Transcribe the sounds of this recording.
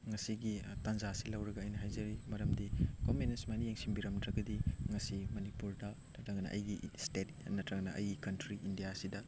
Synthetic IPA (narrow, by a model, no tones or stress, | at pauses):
ŋɐsiɡitɐnzasilɐwɾɐɡɐːjnɐɦajzɐɾimɐɾɐmdikomenesmanijeŋsiŋbiɾɐmdɾɐɡɐdiŋɐsimɐnipuɾdɐ | nɐtɾɐŋnɐ̰ʔɐ̰jɡistetnɐtɾɐŋnɐʔɐ̰jɡikɐntɾiʔindijasidɐ